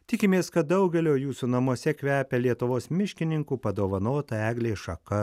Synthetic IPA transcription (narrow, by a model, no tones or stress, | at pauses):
t̪ʲɪkʲɪmʲeːskɐt̪̚d̪ɐʊɡʲɛlʲoːjuːsuːnɐmuɔsʲɛkʲʋʲæːpʲɛlʲiɛt̪ʊʋoːsmʲɪʃʲkʲɪnʲɪŋkuːpɐd̪oːʋɐnoːt̪ɐæːɡlʲeːʃɐkɐ